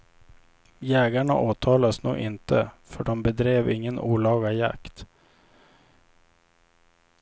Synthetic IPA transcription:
jɛːɡaɳa̰ʔoːt̪ʰɑːlaəsnṵːɡʔɪnt̪ʰəfœɖɔmbɛd̪ɾeːvɪŋːənuːlɑːɡaja̰kt̪

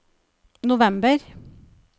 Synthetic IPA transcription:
nʊʋɛmbəɾ

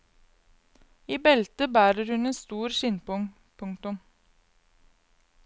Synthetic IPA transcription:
iːbɛlt̪əbæːɾəɾhʉneːnst̪uːɾsʏnpʊŋ | pʰʊŋkt̪ʊm

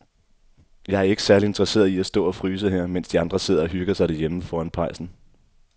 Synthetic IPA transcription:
jɑ̈ɪæɐe̝ɡə̥sæɐlie̝nd̥ʁɐse̝̰ːɐðˠiæsd̥ɔ̰̽ːɒ̽fʁyːs̬əɦɛɐ̰men̰sd̥iɑ̈nd̥ʁɐse̝ðˠɐɒɦyɡ̥ɐsɑ̈ɪɾ̥æɐjeməfɒːænpʰɑ̈ɪsn̩

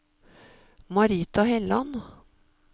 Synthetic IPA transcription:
mɑɾiːt̪ɑhɛlɑn

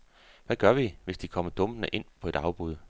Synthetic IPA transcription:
ʋæɡ̥ɶɐʋiʋe̝sd̥ikʰɒ̽m̰ɐd̥ɔ̽m̥ənəʔe̝n̰pʰɒ̽e̝d̥ɑ̈ʊb̥uð̞ˠ

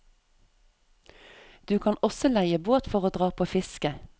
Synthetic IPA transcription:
d̪̥ʉːkʰɑːnɔsɔlæɪəboːt̪fɔʁoːd̪ʁɑːpʰoːfɪskə

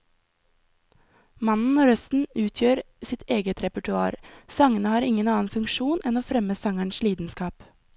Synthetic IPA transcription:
mɑnn̩oːɾœst̪n̩ʉːt̪ʰjøːɾ | sɪt̪ʰeːɡət̪ʰɾɛpəʈʉɑ̰ːɾsɑŋənəhɑːɾɪŋənɑːn̩fʉŋkʃuːnʔɛnoːfɾɛməsɑŋæɳʃliːd̪nskɑːp

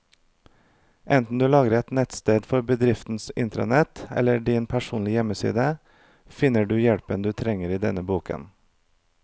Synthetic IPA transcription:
ʔɛnt̪n̩d̪ʉːlɑːɡəɾɛt̪nɛt̪st̪eːd̪fɔɾbəd̪ɾɪft̪n̩sɪ̰nt̪ɾɑ̰nɛt̪ɛ̰ləɖiːnpʰæʃuːnlɪjɛməsḭːd̪ə | fɪnəɖʉːjɛɽpənd̪ʉːt̪ʰɾɛŋəɾiːd̪ɛnəbuːkʰə̰n

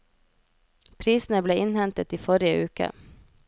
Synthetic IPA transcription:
pʰɾiːsn̩əbleːʔɪnhɛnt̪ət̪iːfɔɾɪəʔʉːkə̰

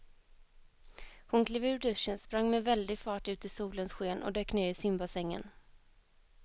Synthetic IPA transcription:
hʊnkʰliːvʉːɖ̪ɵʂːənspɾaŋːmɛvɛld̪ɪɡfɑːʈʉ̟ːt̪ɪsuːlənsɧeːnʔɔ̰d̪øːkneːɾɪsɪmbasɛŋːə̰n

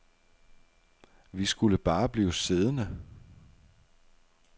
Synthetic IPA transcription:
ʋisɡ̥uləb̥ɑ̈ːb̥liːʊse̝ð̞ˠənə

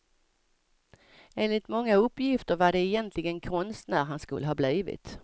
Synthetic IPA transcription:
eːnlɪt̪mɔŋːaɵpːjɪft̪əɾvaɖɛːjɛnt̪ʰlɪɡənkʰɔnst̪næːɾɦanskɵ̰lːəɦɑːbliːvɪ̰t̪

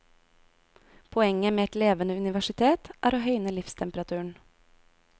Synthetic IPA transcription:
pʰɔɛŋəmeːɛt̪leːʋənəʉnɪʋæʃɪt̪ʰeːt̪ʔæːɾoːhœʏnəlɪfst̪ʰɛmpəɾɑt̪ʰʉːɳ̩

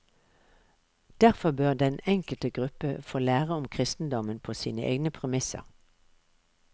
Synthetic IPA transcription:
d̪̥æʁfɔbøːʁd̪ɛnɛŋkəlt̪əɡʁʉpəfoːlæːʁəʊmkʰʁɪst̪n̩d̪ɔmənpʰoːsḭːnəʔḛːɡnəpʰʁɛmɪsə̰ʁ

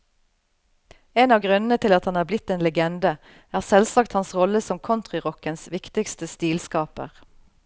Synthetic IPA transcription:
eːnɑːʋɡʁʉnn̩ət̪ʰɪlɑt̪hɑnhæːʁblɪt̪ːeːnlɛɡɛnd̪ə | æːʁsɛlsɑkt̪hɑnsʁɔləsɔmkʰɔnt̪ʁɪʁɔkənsʋɪkt̪ɪkst̪əst̪iːlskɑːpə̰ʁ

